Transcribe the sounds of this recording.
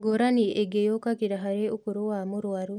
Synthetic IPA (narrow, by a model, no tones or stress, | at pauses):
ɡoɾaniʔeɡejokakiɾaɦaɾeokuɾowamuɾwaɾu